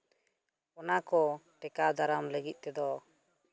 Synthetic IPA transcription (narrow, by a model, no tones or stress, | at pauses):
ɔnakɔʈɛkad̪ʱaɾamləɡit̪̚ˀt̪ɛd̪ɔ